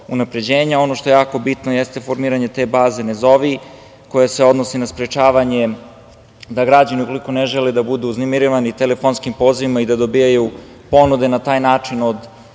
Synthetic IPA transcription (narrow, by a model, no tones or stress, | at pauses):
unapɾe̞d͡ʑeːɲao̞no̞ʃt̪o̞jejaːko̞bit̪nojest̪e̞foɾmiːɾaɲe̞t̪eːbaːze̞nezo̞ʋi | ko̞jaseo̞d̪nosinaspɾet͡ʃaːʋaɲe | d̪aɡɾad͡ʑaniuko̞liko̞neʒeled̪abud̪uuznemiɾiʋanit̪elefonskimpo̞ːziʋimaid̪ad̪o̞bijaju | po̞nud̪e̞nat̪aːjnaːt͡ʂino̞d̪